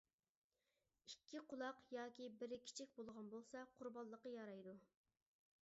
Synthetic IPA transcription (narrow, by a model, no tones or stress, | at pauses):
ikʲʰːiqʰʊlˠɑqjɑːkʲibɪɾkʲʰi̥t͡ʃʰɪk̚ʲbolˠʁɑnbolˠsɑqʰʊɾbɑlˠːəqɑjɑɾɑjd̪u